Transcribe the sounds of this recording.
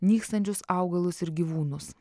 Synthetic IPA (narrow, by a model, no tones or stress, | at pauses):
nʲiːkst̪ɐnʲt͡ʃʲʊsɑˑʊɡɐlˠʊsɪɾɡʲiʋuːnʊs